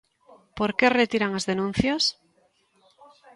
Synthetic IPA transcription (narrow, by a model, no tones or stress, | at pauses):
poɾkeret̪iɾaŋazðenũn̟θjas